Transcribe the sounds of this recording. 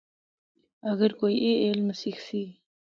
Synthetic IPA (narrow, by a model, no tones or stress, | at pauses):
aɣəɾkojeʔelməsixsi